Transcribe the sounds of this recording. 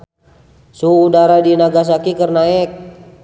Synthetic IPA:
suːdaɾadinaɡas̬akikərnaɛk̚

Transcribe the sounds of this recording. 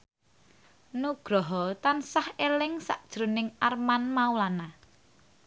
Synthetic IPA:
nuɡ̥ɾɔɦɔt̪ansahelɪŋsa̰ʔd̥ʒ̥ɾunɪŋarmanmaulana

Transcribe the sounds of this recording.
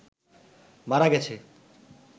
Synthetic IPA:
maɾaɡɛt͡ɕʰe

